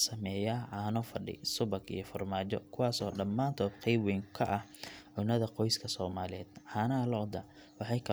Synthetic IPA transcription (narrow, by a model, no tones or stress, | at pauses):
sɐmɛːjaːʕaːnɔːfɐɖɪ̰sʊβɐɡḭjɞfɐrmaːt͡ʃɔ̰kʰʊwɑːsɔːɖɐmːaːnt̪ʰɔːd̪qɛjbwɛːŋkʰɐʔɐh | ʕʊnɐðɐqɔjskʰɐsɔːmaːlɪɛːd̪ʕɑːnɐlɔd̪ɐ | wɑħɑjkʰɐ